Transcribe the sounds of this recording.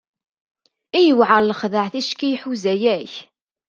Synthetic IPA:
ijəwʕəɾˤləχðəʕθiʃkijħuzæjæç

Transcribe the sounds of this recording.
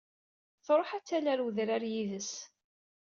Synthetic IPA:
θɾˤoħæt͡sːælæɾwðɾaɾjiðəs

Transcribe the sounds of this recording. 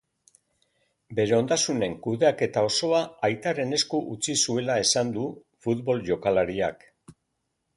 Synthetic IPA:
be̞ɾe̞o̞nd̪asune̞ŋkuðe̞ake̞t̪ao̞so̞aajt̪are̞ne̞skuʔut͡sisue̞lae̞sand̪u | fut̪βo̞lʝo̞kalaɾia̰k

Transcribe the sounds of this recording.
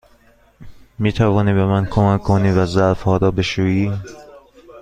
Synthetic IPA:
miːt̪ʰævɒːniːbemænkʰomækʰːoniːvæzæɾfhɒːɾɒːbeʃuːiː

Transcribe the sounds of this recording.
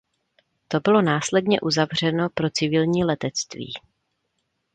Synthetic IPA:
t̪o̞bɪlo̞naːslɛdɲɛʔuzavr̝ɛno̞pɾo̞t͡sɪvɪlɲiːlɛt̪ɛt͡st̪vḭː

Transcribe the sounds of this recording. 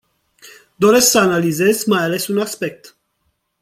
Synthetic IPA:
d̪o̞ɾe̞sksəanalize̞zmajale̞sunaspe̞k̚t̪

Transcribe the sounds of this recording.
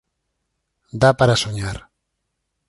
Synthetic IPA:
d̪apaɾasoɲaɾ

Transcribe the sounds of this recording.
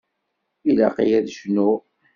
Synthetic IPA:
ila̰qijæðʃnu

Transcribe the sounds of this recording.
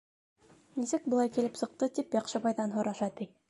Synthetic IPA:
milzɘk̚bŏlˠɑjkilɘpsɤ̆q̚t̪ɤt̪ipjɑqʃɤβɑjðɑnɦŏɾɑʃɑt̪i

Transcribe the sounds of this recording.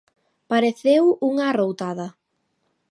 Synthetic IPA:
paɾeθewuŋarowt̪aðɐ

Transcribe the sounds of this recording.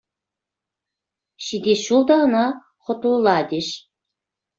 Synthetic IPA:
ɕid̪ʲeʃulˠd̪ɑnɑ | χŏt̪ulˠlˠɑd̪ʲeʃ

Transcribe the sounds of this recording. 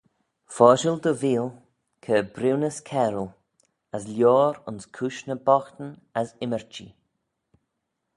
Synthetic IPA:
fɔːʒəld̪əviːl | kʰəbɾɪwnəskʰɛɾəl | əslʲjɔːɾʊ̰nskʰuʃnəbɔxt̪ənasɪməɹt͡ʃḭ

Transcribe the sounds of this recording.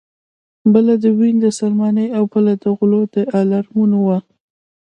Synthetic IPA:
bəlad̪əwind̪əsalmɑnəjawbəlad̪əɣʊlod̪̥əʔalaɾmunowa

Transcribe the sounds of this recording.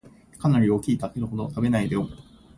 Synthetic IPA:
kanaɾʲio̞kʲiːt̪abeɾɯ̟ho̞d̪o̞t̪abe̞naid̪eo

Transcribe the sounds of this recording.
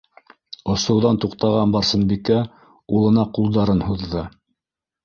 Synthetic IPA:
ŏsɤ̆wðɑnt̪uqt̪ɑʁɑnbɑɾsɤ̆nbikæ | ulˠɤ̆nɑqulˠd̪ɑɾɤnhuðːɤ

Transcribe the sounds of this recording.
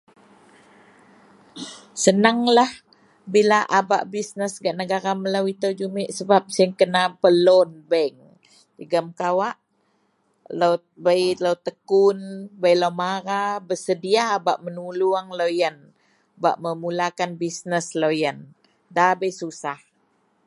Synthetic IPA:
sənaŋlah | bilaʔaba̰ʔbisnəsɡaʔnəɡaɾaməlawit̪əwd͡ʒumɪʔsəbap̚siŋkənapəlɔnbəŋ | dəɡəmkawaʔ | low | bəjlawt̪əkunbəjlawmaɾabəsədiabaʔmənuluaŋlojən | ba̰ʔməmulakanbisnəslojən | dabəjsusah

